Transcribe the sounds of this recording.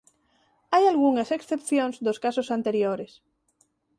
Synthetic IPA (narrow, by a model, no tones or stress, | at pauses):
ajalɣuŋaseksθepθjõnzd̪oskasosant̪eɾjoɾes